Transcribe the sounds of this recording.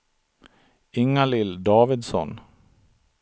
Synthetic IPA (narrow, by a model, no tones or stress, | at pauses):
ɪŋːalɪld̪ɑːvɪd̪sɔ̰n